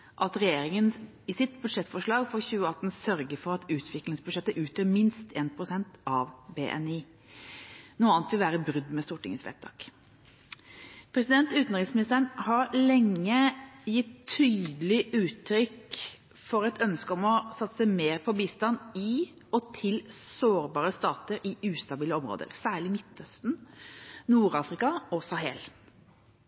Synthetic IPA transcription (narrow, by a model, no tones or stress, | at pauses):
ʔɑt̪ɾɛjeːɾɪŋən | ɪsɪt̪bʉd̪ʂɛt̪ːfɔʂɭɑːɡfɔçʉːəɑt̪ːn̩sœɾɡəfɔɾɑt̪ʉːt̪ʰʋɪklɪŋsbʉd̪ʃɛt̪ːəʔʉːt̪ʰəːmɪnst̪ʰeːnpʰɾʊsɛnt̪ɑʋbḛːʔɛ̰niː | nuːɑːnt̪ʋɪlʋæːɾəbɾʉd̪mɛst̪uːʈʰɪ̰ŋəsʋɛ̰t̪̚ʰɑ̰ːk | pʰɾɛsɪd̪ɛnt̪ʉːt̪n̩ɾɪŋsmɪnɪst̪əəɳhɑɾlɛŋːəjɪt̪ʰːyːd̪lɪʔʉːt̪ʰɾʏk | fɔɾɛt̪ʰœnskəɔmɔsɑt̪ːsæɪmeːɾpʰɔbiːst̪ɑnɪ | ɔt̪ʰɪlsoːɾbɑːɾəst̪ɑːt̪əɾɪʉːst̪ɑbiːləɔmɾo̰ːd̪ə̰ɾsæːɭɪmɪt̪ːœst̪n | nuːɾɑːfɾɪkɑɔsɑɦɛl